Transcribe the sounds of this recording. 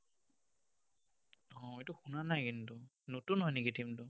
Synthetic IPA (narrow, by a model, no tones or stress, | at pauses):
ɔ̃ejtʊxunanajkintʊ | notunɦɔjniɡitʰimtʊ